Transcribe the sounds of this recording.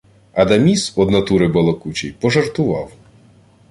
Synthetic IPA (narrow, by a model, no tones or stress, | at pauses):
ɐd̪ɐmʲisɔd̪nɐt̪uɾɪbɐlˠɔkut͡ʃʲijpɔʒɐrt̪ʊʋɑw